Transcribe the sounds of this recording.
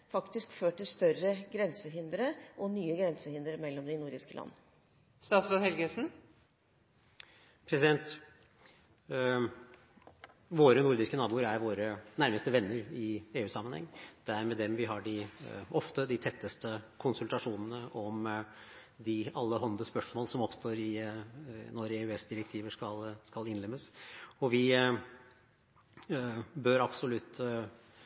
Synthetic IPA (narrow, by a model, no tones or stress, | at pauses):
fɑkt̪ɪskføːʈʈɪlst̪œɾəɡɾɛnsəɦɪnd̪əɾəʔɔnyːəɡɾɛnsəhɪnd̪əɾəmɛlːɔmd̪ɪnuːɾɖ̪ɪskəlʔɑ̰nːə | st̪ɑːsʋəhɛlɡəsn̩ | pʰɾɛsɪd̪ɛnt̪ | ʋoːɾənʊɾd̪ɪskənɑːbuːəɾæɾʋoːɾənæɾməst̪əʋɛnːəɾɪeːʉːsɑmənhɛ̰ŋːd̪̥ɛæɾmɛd̪ɛmʋɪɦɑɖɪʔɔft̪əd̪ɪt̪ʰɛt̪ːəst̪əkʰʊnsʉlt̪ɑʂuːnənəʔɔm | d̪ɪɑlːəɦɔnd̪əspœʂmoːlsɔmɔpst̪ʰoːɾɪ | nɔɾeːʉɛsd̪ɪɾɛk̚t̪ʰiːʋəʂkɑlskɑlɪnlɛmːəsɔʋɪ | bøːɾɑpsɔlʉt̪ː